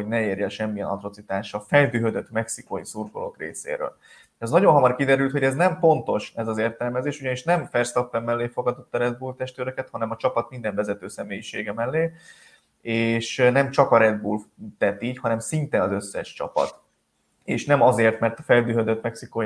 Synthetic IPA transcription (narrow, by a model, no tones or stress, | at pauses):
hoɟnɛeːrjɛʃɛmːiɛnɒ̰t̪ro̞t̪sit̪aːʃɒfɛld̪yːɦød̪øt̪mɛksikojisurkolo̰krḛːsḛːɾø̰ːl | ɛznɒɟo̞nɦɒmɒrkid̪ɛɾylt̪ho̞ɟɛznɛmfo̞nt̪o̞ʃɛzɒzeːrt̪ɛlmɛzeːʃuɟɒniʃnɛmfɛrst̪opːɛmːɛlːeːfo̞ɡɒd̪ot̪ːɒɾɛd̪̚buːlt̪ɛʃt̪øːɾøkɛt̪hɒnɛmɒt͡ʃɒpɒt̪mind̪ɛɱvɛzɛt̪øːsɛmeːjiʃeːɡɛmɛlːeː | eːʃnɛmt͡ʃɒkɒɾɛd̪̚bṵlt̪ɛt̪ichɒnɛmsint̪eːnɒzø̞sːɛ̰ʃt͡ʃɒ̰pɒ̰t̪ | eːʃnɛmɒzeːrt̪mɛrt̪ɒfɛld̪yːɦød̪øt̪mɛksiko